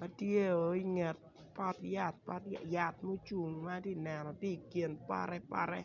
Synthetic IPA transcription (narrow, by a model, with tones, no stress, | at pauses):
ma˦tje˦o˨˦i˦ŋɛ˨t̚ | pɔ˦tja˨t̚pɔ̰˦tja˨t̚mu˦t͡ʃu˨ŋma˦ti˦nɛ˨nɔ˨ti˦˨kje˨npa̰˦ɾɛ˦pa̰˦ɾɛ̰˦